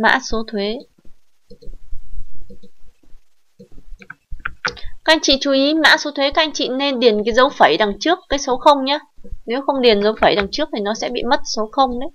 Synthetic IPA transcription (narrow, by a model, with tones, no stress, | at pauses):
ma̰ː˧˥so˨˦t̪ʰwe˨˦ | ka˦˥k̚ʔa˧jŋ̟t͡ɕḭ˧˨t͡ɕu˨˦ʔi˨˦ma̰ː˧˥so˨˦t̪ʰwe˨˦kaː˦˥k̚ʔa˧jŋ̟t͡ɕḭ˧˨ne˧nɗi˨˩ənkaː˨˦jzə˨˦wfə˧˩jɗa˨˩ŋt͡ɕɨ˦˥əkːaː˨˦jsə˨˦wxə˧wŋ͡mɲaː˨˧˦ne˨˦wxə˧wŋ͡mɗi˨˩ənzə˨˦wfəː˧˩jɗa˨˩ŋt͡ɕɨ˦˥ək̚t̪ʰi˨˩nɔ˨˦sɛ̰˧˥ɓḭ˧˨mə˦˥t̚so˨˦xə˧wŋ͡mɗə˨˦j